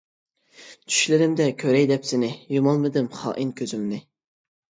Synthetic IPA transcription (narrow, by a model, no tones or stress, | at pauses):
t͡ʃʰy̥ʃlɪɾɪmd̪ɛkʲʰøɾɛjd̪ɛpsɪnɪjumɑlˠmɨd̪ɨmχɑ̰ːʔinkʲʰøzymnɪ